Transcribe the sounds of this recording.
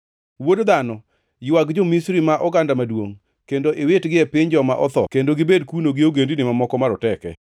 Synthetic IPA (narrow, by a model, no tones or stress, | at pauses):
wodd̪anɔ | jiwaɡd͡ʒɔmisɾimaʔɔɡandamadwoŋ | kendoʔewetɡɪɛpɪɲd͡ʒɔmaʔɔt̪ɔkendoɡɪbedkunoɡɪoɡendinɪmamɔkɔmaɾɔtɛkɛ̰